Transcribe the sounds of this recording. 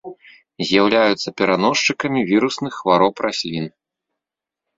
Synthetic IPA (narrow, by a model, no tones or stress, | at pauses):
zʲjawlʲajut̪sɐpʲɛɾanɔʂt͡ʂɨkɐmʲivʲiɾusnɨxːvaɾɔwpɾasʲlʲin